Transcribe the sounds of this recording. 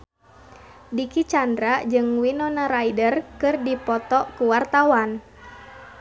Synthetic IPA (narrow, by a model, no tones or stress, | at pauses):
dikit͡ʃandɾad͡ʒɨŋwinɔnaɾaidərkɨrdipɔt̪ɔkuwart̪awan